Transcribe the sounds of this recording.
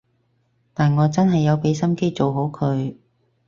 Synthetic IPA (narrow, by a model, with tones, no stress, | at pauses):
t̪aː˨nŋɔː˨˧t͡sɐ˥nɦɐ˨jːɐ˨˧wpe˨˥jsɐ˥mke˥jt͡so˨wɦo˨˥wkʰɵ˨˧ɥ